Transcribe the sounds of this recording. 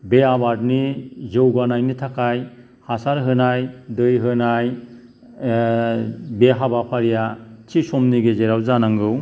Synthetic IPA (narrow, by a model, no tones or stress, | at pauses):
beabaɾd̚nizewɡanajnitʰakʰaj | hasaɾɦɯnajdɯjɦɯnaj | beɦabapʰaɾijatʰisɔmniɡezeɾawzanaŋɡɯw